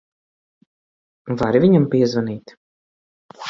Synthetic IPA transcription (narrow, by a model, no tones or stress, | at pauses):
vaɾivʲiɲampiɛzvaniːt̪